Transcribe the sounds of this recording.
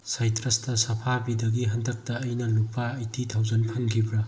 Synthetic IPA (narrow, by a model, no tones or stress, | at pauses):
sajtɾɐstɐsɐpʰabidɐɡiɦɐndɐk̚tɐːjnɐlupːaːjtʰitʰawzɐnpʰɐnkʰibɾɐ